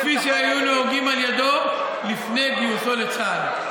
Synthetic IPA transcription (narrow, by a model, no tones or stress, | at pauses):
fiʃeajuneoɡimaljad̪o̞ | lifne̞biot̪o̞let͡sal